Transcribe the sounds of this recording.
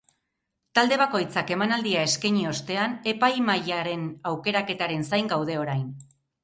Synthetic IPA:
t̪ald̪e̞β̞ako̞jt͡sake̞manald̪iae̞skeɲio̞st̪e̞ane̞pajmajaɾe̞nawke̞ɾake̞t̪aɾe̞nsajŋɡawð̞e̞o̞ɾajn

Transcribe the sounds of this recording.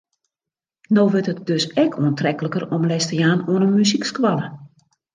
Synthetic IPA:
noːʋɪrtət̚døsɛkʰoəntrɛkələkərɔmlɛstəjaːnoənəmyzikskwalə

